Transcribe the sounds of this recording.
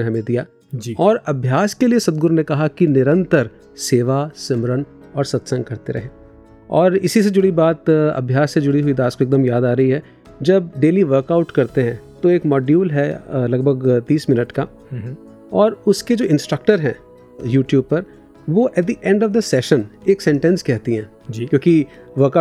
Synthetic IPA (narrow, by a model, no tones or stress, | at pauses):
eɦɐmẽd̪ijaː | d͡ʒiɔːɾɐbʱjaːskeliesɐd̪̚ɡʊɾnekɐɦakinɪɾə̃nt̪əɾ | seːʋasɪmɾən | ɔːɾsɐt̪sə̃ŋɡkɐɾt̪eɾɐ̰ɦẽː | ɔːɾɪsised͡ʒʊɽibaːt̪ɐ̰bʱjaːsːed͡ʒʊɽiɦʊid̪aːskoeːk̚ɡ̚d̪əmjaːd̪aːɾɐɦiɦɛː | d͡ʒɐb̚ɖeːliʋəɾkaʊʈkɐɾt̪eɦɛ̃t̪oeːkmɔːɖjuːlɦɛlɐɡbʱəɡt̪iːsmɪnəʈka | ɔːɾʊsked͡ʒoːɪ̃nsʈɾək̚ʈəɾɦɛ̃ː | juːʈjuːb̚pɐɾ | ʋoʔɛʈ̚d̪iʔɛ̃ɳɖɔːʋd̪ɐsɛːʃəneːksɛ̃ɳʈɛ̃nskɛɦt̪iɦɛ̃ː | d͡ʒkjõːki | ʋəɾka